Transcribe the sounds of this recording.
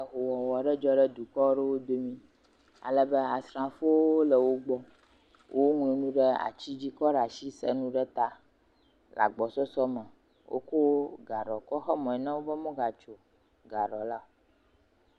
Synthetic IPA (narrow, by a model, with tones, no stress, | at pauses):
ja˨ɦo˨wɔ˨wɔ˨ɖɛ˦d͡ʒɔ˦ɖə˦d̪u˨kɔ˦ɖɛ˦wo˦d̪o˦mĩ˦ | a̰˨lə˨bɛ˦a˨sɾã˨fo˦o˦lə˨wo˦ɡ͡bɔ˦ | wʔo˦ŋlũ˨nũ˦ɖɛ˦a̰˨t͡ɕi˦d͡ʑi˦kɔ˦ɖa˨si˦sɛ̰˦nũ˦ɖɛ˦t̪a˦ | la̰˨ɡ͡bɔ˨sɔ˦sɔ˦mɛ̃˨ | wʔo̰˦ko˦ɡa˨ɖɔ˨kɔ˦xɛ˦mɔ̃˨ɛ˨nã˦wo˦bɛ˦mɔ̃˦ɡa˨t͡ʃo˨ | ɡa˨ɖɔ˨la˦o˨